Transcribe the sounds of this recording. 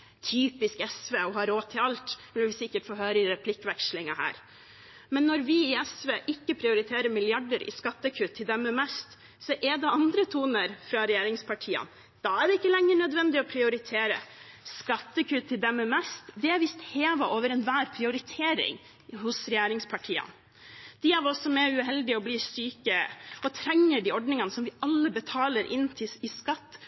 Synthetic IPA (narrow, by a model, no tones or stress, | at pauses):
t̪ʰyːpɪskɛsʋeːɔhɑɾoːt̪ʰːɪlɑlt̪ʋɪlʋɪsɪkːəʈfoːɦøːɾəɪɾɛpʰlɪkːʋɛkʂlɪŋɑhæ̰ːɾ | mɛnːɔɾʋɪːɛsʋeːʔɪkːəpʰɾɪʊɾɪt̪ʰeːɾəmɪlɪɑɖəɾɪ̰skɑt̪ːəkʰʉt̪ʰːɪld̪ɛmːəmɛst̪ | sɔʔɛd̪ɛɑnd̪ɾət̪ʰuːnəɾfɾɑɾɛjeːɾɪŋspʰɑʈʰiːə̰n | d̪̥ɑæɖɛɪkːəlɛŋːəɳœd̪ʋɛnd̪ɪɔpʰɾɪʊɾɪt̪ʰeːɾəskɑt̪ːəkʰʉt̪ʰːɪld̪ɛmːəmɛst̪d̪ɛæɾʋɪst̪heːʋɑʔoːʋəɾɛnʋæːɾpʰɾɪʊɾɪt̪ʰeːɾɪ̰ŋ | hʊsɾɛjeːɾɪŋspʰɑʈʰiːə̰n | d̪̥ɪæɾɔsɔmɛʉɦɛld̪ɪɔbliːsyːkəɔt̪ʰɾɛŋːəɖiɔɖnɪŋɑnəsɔmʋɪʔɑlːəbət̪ʰɑːləɾʔɪnːt̪ʰɪɪskɑt̪ː